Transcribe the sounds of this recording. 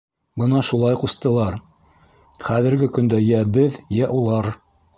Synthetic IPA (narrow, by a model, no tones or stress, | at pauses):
bɤnɑʃulˠɑjqust̪ɤ̆lˠɑɾ | χæðɘ̆ɾɡɘkɵ̆nd̪æjæbɘðjæʔulˠɑɾ